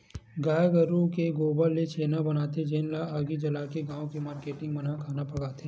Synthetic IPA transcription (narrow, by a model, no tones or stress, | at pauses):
ɡaːjɡɐɾukeɡoːbəlːet͡ʃeːnabɐnaːt̪ed͡ʒeːnlaaːɡid͡ʒɐlaːkeɡãːõkemaːɾkeːʈɪ̃ŋɡmɐnakʰaːnapɐɡaːt̪ẽː